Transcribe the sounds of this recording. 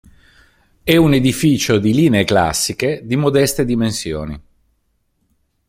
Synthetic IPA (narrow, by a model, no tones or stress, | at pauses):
ɛuned̪ifiːt͡ʃod̪iliːneːkla̰sːiked̪imod̪ɛst̪ed̪imensjo̰ːnḭ